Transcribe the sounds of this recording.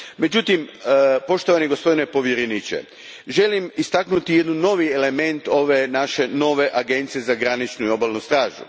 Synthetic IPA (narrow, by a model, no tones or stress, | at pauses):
me̞d͡ʑut̪impo̞ʃt̪o̞ʋaniɡo̞spo̞d̪ine̞po̞ʋjeɾenit͡ʃḛ | ʒe̞limist̪aknut̪ije̞d̪nuno̞ʋiele̞me̞nt̪o̞ʋe̞naʃe̞no̞ʋe̞ʔaɡe̞nt̪sijezaɡɾanit͡ʃnuio̞balˠnust̪ɾaːʒṵ